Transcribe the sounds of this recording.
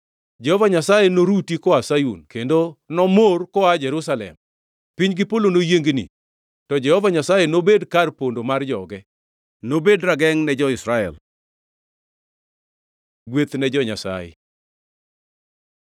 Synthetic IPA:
d͡ʒɛhɔvaɲasajenoɾutikɔasajṵnkendonɔmorkɔad͡ʒɛɾusalɛ̰m | piɲɡɪpolonojeŋɡnḭ | tɔd͡ʒɛhɔvaɲasajenobedkarpondomard͡ʒɔɡɛ | nobedɾaɡɛŋnɛd͡ʒɔɪsɾaɛ̰l | ɡwet̪nɛd͡ʒɔɲasa̰jḛ

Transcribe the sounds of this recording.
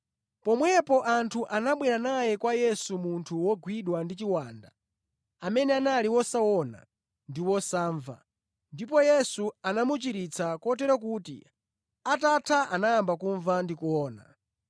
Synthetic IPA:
pɔmwɛpɔʔantʰuʔanaɓwɛɾanajɛkwajɛsumuntʰuwɔɡwiɗwandit͡ʃiwaːnda̰ | amɛnɛanaliwɔsawɔna̰ | ndiwɔsaːɱva̰ | ndipɔjɛsuanamut͡ʃiɾit͡sʰakɔt̬ɛɾɔk̬uːtḭ | atatʰaʔanajambakuɱvandikuɔːna̰

